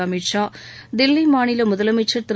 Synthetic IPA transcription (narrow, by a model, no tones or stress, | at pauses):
ɐmɪʈʂaːd̪ɪlːimaːnɪlɐmʊðɐlɐmɪʈt͡ʃːɐɾt̪ɪ